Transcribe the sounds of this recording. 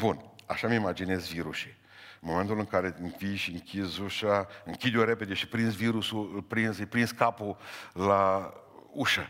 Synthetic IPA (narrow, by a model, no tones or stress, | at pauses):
buna̰ʃamimad͡ʒine̞zviɾuʃi | ɨnmo̞me̞nt̪ulɨŋkaɾe̞ɨnvijʃiɨŋkʰʲizuʃaɨŋkʲid̪eɾeped̪e̞ʃipɾinsviɾusuɨlpɾinzɨpɾinskapula | uʃa